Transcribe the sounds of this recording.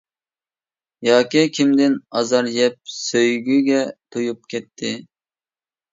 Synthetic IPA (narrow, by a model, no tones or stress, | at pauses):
jɑːkʲikʲʰimd̪ɪnɑzɑɾjɛp̚søjɡʲyɡʲɛt̪ʰojup̚kʲʰɛt̪ʰːɪ